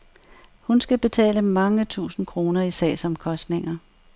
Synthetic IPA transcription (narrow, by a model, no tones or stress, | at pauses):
hunsɡ̥æb̥e̝t͡sʰɛ̰ːləmɑ̈ŋət͡sʰṵːsn̩kʰʁo̝ːnɐisɛ̰ːsɒ̽mkʰɒ̽sd̥ne̝ŋɐ